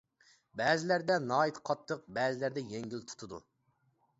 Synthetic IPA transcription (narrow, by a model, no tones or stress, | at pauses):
bɛːzɪlæɾd̪ɛnɑːit̪qʰɑt̪ʰːəq̚bɛːzɪlæɾd̪ɛjɛŋɡʲilt̪ʰu̥t̪ʰʊd̪ṵ